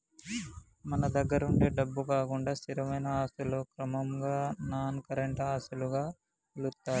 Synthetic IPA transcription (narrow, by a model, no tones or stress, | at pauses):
mɐnɐd̪ɐɡːɐɾɐuɳɖe̞ːɖɐbːukaːkuɳɖaːst̪iɾɐmɐjnɐaːsuloːkɾɐmɐmɡaːnaːnkɐɾɐɳʈaːsuluɡaː | ulut̪ːaːɾu